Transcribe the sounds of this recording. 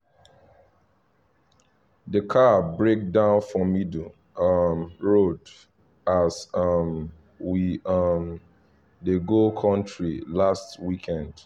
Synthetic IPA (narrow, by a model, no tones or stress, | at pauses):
dəkʰabɹek̚dãʊ̃nfɹɔ̃midl̩ | ʌmɹod | asʌm | wiʌm | deɡokʰɔ̃ntɹilastwikʰɛ̃nd̥